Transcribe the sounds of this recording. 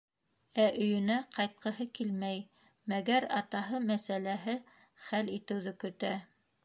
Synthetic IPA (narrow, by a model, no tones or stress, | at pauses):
æʔɵ̆jɵ̆næqɑjt̪̚qɤ̆ɦɤkilmæj | mæɡæɾɑt̪ɑɦɤmæsælæɦɘ | χælit̪ɘ̆wðɘkɵ̆t̪æ